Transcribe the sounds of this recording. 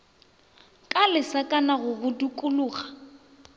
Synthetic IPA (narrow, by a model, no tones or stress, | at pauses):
kʼalɪsakʼanaɣʊɣʊdikʼʊlʊːɣa